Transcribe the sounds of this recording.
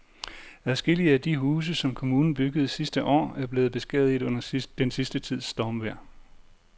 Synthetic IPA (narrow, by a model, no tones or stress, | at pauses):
æðˠsɡ̥e̝l̰iəæd̥iɦuːs̬əsɒ̽mkʰo̝muːnn̩b̥yɡ̥əð̞̩ˠsisd̥əʔɒ̰ːæɐb̥le̝ːð̞̩ˠb̥e̝sɡ̥ɛ̰ːð̞̩ˠiðɔ̽n̰ɐd̥ensisd̥ət͡sʰið̞̰ˠsːd̥ɒmʋæɐ̰